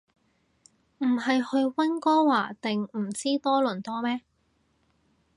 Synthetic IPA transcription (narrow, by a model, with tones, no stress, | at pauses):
m̩˨˩ɦɐ˨jhɵ˧ɥwɐ˥nkɔː˥waː˨˩t̪ɪ˨ŋm̩˨˩t͡siː˥t̪ɔː˥lɵ˨˩nt̪ɔː˥mɛː˥